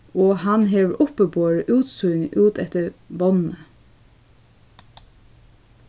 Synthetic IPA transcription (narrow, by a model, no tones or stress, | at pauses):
oːhɑnɦeːʋɾʔʊpəboːɹəʔʉːt̪sʊʏŋʔʉːt̪ɛt̪əbɔnə